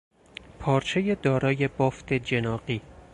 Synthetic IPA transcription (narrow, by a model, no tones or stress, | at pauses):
pʰɒːɾt͡ʃʰe̞je̞d̪ɒːɾɒːje̞bɒːft̪ʰe̞d͡ʒe̞nɒːɢiː